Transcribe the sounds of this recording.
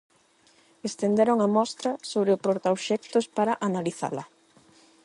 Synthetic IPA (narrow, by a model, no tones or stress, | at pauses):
est̪end̪eɾoŋɐmɔst̪ɾɐsoβɾɪʊpɾoɾt̪aoʃɛk̚t̪ʊspaɾɐʔanaliθa̰lɐ